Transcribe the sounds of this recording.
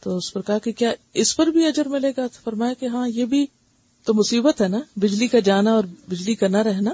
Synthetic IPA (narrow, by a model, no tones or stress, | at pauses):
t̪oːʊspɐɾkɐɦakekjaːɪspɐɾbʱiɐd͡ʒəɾmɪleːɡatfɐɾmaːjakeɦãːjeːbʱi | t̪omʊsiːbət̪ɦɛnabɪd͡ʒlikad͡ʒaːnaɔːɾbɪd͡ʒlikɐɾnaɾɛɦnaː